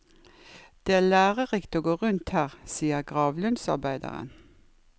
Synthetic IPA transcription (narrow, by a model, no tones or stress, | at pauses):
d̪̥eːæːlæːʁəʁɪkt̪oːɡoːʁʉnt̪hæːʁsiːəʁɡʁɑːʋlʉnsɑ̰ʁbæɪd̪ə̰ʁə̰n